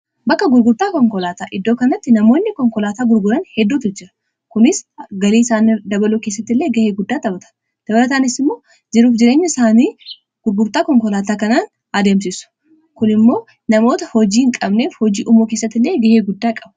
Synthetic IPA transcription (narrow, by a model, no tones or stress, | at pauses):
bɐkːɐɡʊɾɡʊɾt̪aːkɔŋkɔlaːt̪aːʔɪd̪ːo̞ːkɐnɐt̪ːɪnɐmo̞ːnːɪkɔŋkɔlaːt̪aːɡʊɾɡʊɾɐnhɛd̪ːuːt̪ʊd͡ʒɪɾɐ̥ | kʊnɪsɡɐliːsaːnɪd̪ɐbɐluːkeːs̬ːɐt̪ːɪlːe̞ːɡɐheːɡʊd̪ːaːt̪ɐbɐt̪ʰɐ̥n | d̪̥ɐbɐlɐt̪̬aːnɪsɪmːo̞ː | d͡ʒɛɾuːfd͡ʒɪɾeːɲːɐɪsaːniː | ɡ̥ʊɾɡʊɾt̪aːkɔŋkɔlaːt̪aːkɐnaːn | ɐd̪eːmsɪsʊ̥ | kʊnɪmːo̞ː | nɐmo̞ːt̪ɐhɔd͡ʒiːŋkʼɐbne̞ːfhɔd͡ʒiːʔʊmoːkeːsːɐt̪ːɪlːe̞ːɡɐheːɡʊd̪ːaːkʼɐb̥ɐ̥